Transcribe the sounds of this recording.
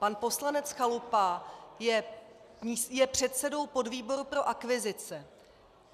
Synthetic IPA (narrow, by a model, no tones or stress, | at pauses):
panpo̞slanɛt͡sxalupajɛ | ɲijɛpr̝̥ɛt̪sɛdo̞wpo̞dviːbo̞ɾupɾo̞ʔakvɪzɪt͡sɛ